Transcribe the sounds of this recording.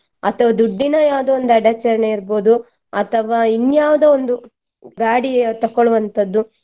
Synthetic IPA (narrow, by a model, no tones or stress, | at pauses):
ɐt̪ʰɐʋɐd̪uɖːinɐjaːʋud̪ɐond̪uɐɖɐt͡ʃɐɾɐɳeiɾboːd̪u | ɐ̰t̪ʰɐʋaːinːjaːʋud̪ɐond̪u | ɡaːɽit̪ɐkːoɭuʋɐnt̪ʰɐd̪ːu